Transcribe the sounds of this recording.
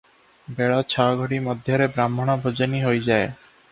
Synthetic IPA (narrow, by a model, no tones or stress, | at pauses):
bɛɽat͡ɕʰaɡʱoɽimɔd̪ʱjaɾebɾamːonabʱod͡ʑaniɦojd͡ʑae